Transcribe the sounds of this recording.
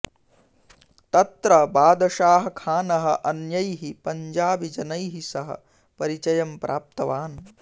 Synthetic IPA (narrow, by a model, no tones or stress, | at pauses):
t̪ɐt̪ɾɐbaːd̪ɐʃaːɦɐ̆kʰaːnɐɦɐʔɐnjɐjɦipɐɲd͡ʒaːbid͡ʒɐnɐjɦisɐɦɐ̰ | pɐɾit͡ʃɐjɐmpɾʔaːp̚t̪ɐʋaːn